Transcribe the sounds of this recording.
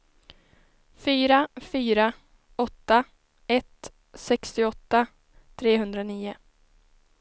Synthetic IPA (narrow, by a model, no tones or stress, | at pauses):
fyːɾafyːɾa | ɔt̪ːa | ɛt̪ | sɛkst̪ɪɔt̪ːa | t̪ʰɾeːɦɵnd̪ɾaniːʊ